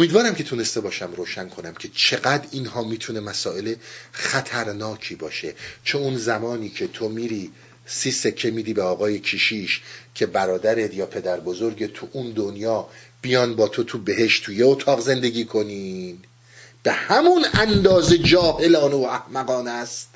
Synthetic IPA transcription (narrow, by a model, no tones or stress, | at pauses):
omiːd̪vɒːɾæmcʰe̞t̪ʰune̞st̪e̞bɒːʃæmɾoːʃænkʰo̞næmcʲʰe̞t͡ʃʰe̞ɡæd̪ɾinhɒːmiːt̪ʰune̞mæsɒːʔe̞lexæt̪ʰæɾnɒːcʰiːbɒːʃe̞t͡ʃʰeunzæmɒːniːcʰe̞t̪ʰomiːɾiː | siːsecʰːe̞miːd̪iːbeɒːɣɒːje̞cʰiʃiːʃcʰe̞bæɾɒːd̪æɾet̪jɒːpʰe̞d̪æɾbo̞zo̞ɾɟet̪ʰuʔund̪onjɒːb̥ijɒːnbɒːt̪ʰo̞t̪ʰube̞ɦe̞ʃt̪t̪ʰːujeot̪ʰɒːɣze̞nd̪e̞ɡʲiːkʰo̞niːn | b̥e̞hæmunænd̪ɒːze̞d͡ʒɒːhe̞lɒːneoæhmæɣɒːnæst̪